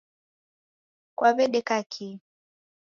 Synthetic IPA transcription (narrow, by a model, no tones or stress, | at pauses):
kwaβɛɗɛkakʰi